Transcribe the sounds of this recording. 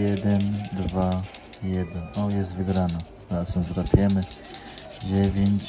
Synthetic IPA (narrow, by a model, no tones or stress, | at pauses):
jɛd̪ɛnd̪va | jɛd̪ɛnɔjɛst̪vɘɡɾana | asɔ̃zɾapʲjɛmɘ | d͡ʑevʲjeɲt͡ɕ